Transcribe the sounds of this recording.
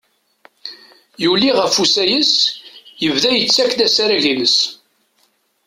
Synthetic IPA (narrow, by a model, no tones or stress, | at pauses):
julːiʁəfusæjəsjəvðæjət͡sːækːd̪æsaɾæʝinəs